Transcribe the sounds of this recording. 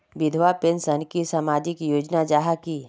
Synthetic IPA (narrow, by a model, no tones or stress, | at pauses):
ʋɪd̪ʱʋapensənkisamaːd͡ʒɪkjoːd͡ʒnad͡ʒaːɦaki